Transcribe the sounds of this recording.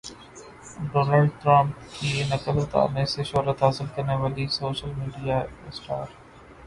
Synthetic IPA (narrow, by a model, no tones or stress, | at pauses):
ɖoːnaːlɖʈɾɐ̃mpkiːnɐkəlʊt̪a̰ːnẽseʃɔːɾət̪ɦaːsɪlkɐɾneʋaːlisoːʃəlmiːɖijaɪsʈa̰ːɾ